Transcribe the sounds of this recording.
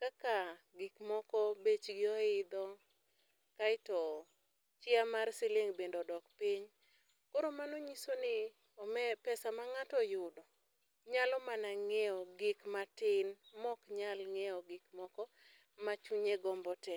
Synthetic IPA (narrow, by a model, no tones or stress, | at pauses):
kakaɡɪkmɔkɔbet͡ʃɡɪɔɪd̪ɔ | kaɪtɔ | t͡ʃɪamarsɪleŋbendodɔkpiɲ | koɾomanoɲisonɪ | ɔmɛpɛsamaŋatɔjʊdɔ | ɲalɔmanaŋeɔɡɪkmatɪnmɔkɲalŋɛɔɡɪkmɔkɔ | mat͡ʃuɲeɡɔmbɔtɛ